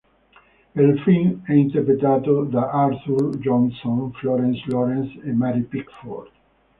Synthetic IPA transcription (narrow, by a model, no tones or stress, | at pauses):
ɛlfinɛint̪ɛɾpɾet̪at̪od̪aʔaɾsuld͡ʒɔ̃nsɔ̃nflɔɾɛ̃nslɔɾɛ̃nsemaɾipikfɔ̰ɾd̪̥